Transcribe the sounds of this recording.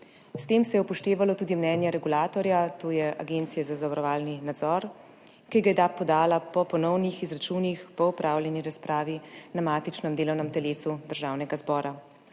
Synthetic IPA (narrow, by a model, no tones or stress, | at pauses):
st̪eːmsɛjɛupɔʃt̪eːʋalɔt̪uːd̪imnɛːnjɛɾɛɡulaːt̪ɔɾjat̪oːjɛʔa̰ɡeːnt̪sijɛzazavaɾɔʋaːlninad̪zɔɾ | kiɡajɛd̪aːpːɔd̪aːlapɔpɔnɔwnixizɾat͡ʃuːnixpɔupɾʔaːwljɛniɾaspɾaːʋinamaːt̪it͡ʃnɔmd̪eːlɔwnɛmt̪ɛleːsud̪əɾʒaːwnɛɡazbɔːɾa